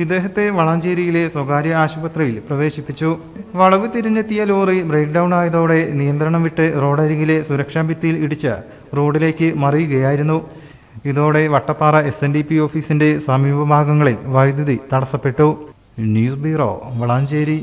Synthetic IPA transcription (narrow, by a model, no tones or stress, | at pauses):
id̪ːe̞ːɦɐt̪ːe̞ʋɐɭaːɲd͡ʑeːɾijile̞swɐɡaːɾjɐaːɕubɐt̪rɐjilprɐʋe̞ːɕipːit͡ɕːu | ʋɐɭɐʋɨt̪iɾuɲːɐt̪ːijɐloːribre̞ːk̚ɖɐwɳaːjɐðo̞ːɽe̞nijɐnd̪ɾɐɳɐmʋiʈːɨro̞ːɽɐɾiɣile̞suɾɐkʂaːmbit̪ːɐjiliɽut͡ɕːɨ̰ | ro̞ːɽile̞ːkʲːɨmɐrijuɣɐjaːjiɾunːu | iðo̞ːɽe̞ʋɐʈːɐpːaːrɐesendipːio̞ːfiːsinde̞sɐmiːbɐbʱaːɡɐŋːɐɭilʋɐjd̪jɐðit̪ɐɽɐsːɐpːe̞ʈːu | njuːsbiro̞̰ːʋɐɭaːɲd͡ʑeːɾi